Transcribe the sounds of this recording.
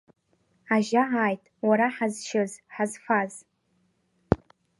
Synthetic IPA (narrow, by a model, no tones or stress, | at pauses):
aʒaʕaːjtʼwaɾaħazʃɪzħazfaz